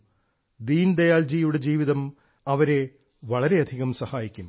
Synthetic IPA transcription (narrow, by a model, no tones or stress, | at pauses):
d̪iːnd̪ɐjaːld͡ʑijuɽe̞d͡ʑiːʋiðɐm | ɐʋɐɾe̞ | ʋɐɭɐɾe̞ɐd̪ʱiɣɐmsɐhaːjikʲːum